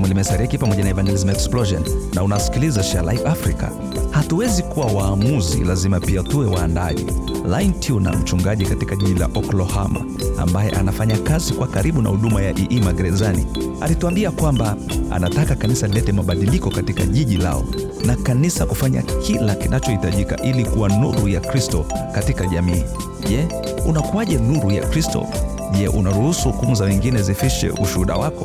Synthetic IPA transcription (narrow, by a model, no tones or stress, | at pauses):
mwɛlimɛsaɾikipamɔʄanaɛvand͡ʒɛlizmaɛksplɔʒɔnːaunawasi̥kilizaʃalaivafɾika̰ | hatuwɛzikuwawaːmuzḭlazimapiatuwɛwaːndaʄḭ | laintʰiuna̰m̩t͡ʃuŋɡaʄikatikaʄiʄila̰ʔɔklɔhama̰ | a̰mbajɛ̰ʔa̰nafaɲakazikuwakaɾiɓuna̰huɗumajaʔiʔimaɡɾɛzanḭa̰lituambiakwamba | a̰natakakanisalɛtɛmaɓaɗilikɔkatika̰ʄiʄila̰ɔ̰ | nakanisakufaɲa̰kʰilakinʔat͡ʃɔhitaʄikaʔilikuwanuɾujakɾistɔkatikaʄamiː | ʄɛ | unakuaʄɛnuɾuja̰kɾistɔ̰ | ʄɛʔṵnaɾuhusuhukumuzawɛŋɡinɛzifiʃɛ̰ʔuʃuhuɗa̰wakɔ